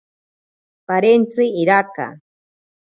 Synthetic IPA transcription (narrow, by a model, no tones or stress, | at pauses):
paɾent͡sɪiɾaka̰